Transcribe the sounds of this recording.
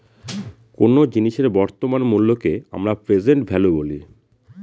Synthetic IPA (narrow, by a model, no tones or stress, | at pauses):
konod͡ʑiniʃeɾbɔɾt̪omanmulːokea̰mɾapɾed͡ʑeɳʈbʱɛloboli